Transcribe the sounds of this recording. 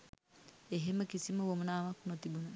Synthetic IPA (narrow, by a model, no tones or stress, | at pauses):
eɦemɐkisimɐwomunamakunot̪ibun